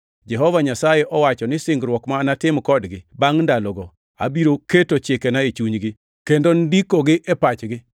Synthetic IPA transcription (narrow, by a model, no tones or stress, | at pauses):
d͡ʒɛɦɔvaɲasajeʔɔwat͡ʃɔnɪsɪŋɡɾwɔkmanatɪmkɔdɡɪbaŋndalɔɡɔ | a̰biɾoketot͡ʃekenaet͡ʃuɲɡɪ | kendondikoɡɪʔɛpat͡ʃɡɪ